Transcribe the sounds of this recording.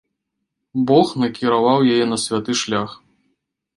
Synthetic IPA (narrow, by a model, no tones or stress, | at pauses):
bɔxnɐkʲiɾavawjajɛnɐsʲvʲat̪ɨʂlʲax